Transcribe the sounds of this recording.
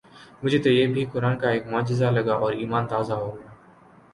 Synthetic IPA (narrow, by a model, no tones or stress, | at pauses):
mʊd͡ʒʱeːt̪oːjeːbʱiːkʊɾaːnkaːeːkmɔːd͡ʒɪzaləɡaːʔɔːɾiːmaːnt̪aːzaɦoːɡəjaː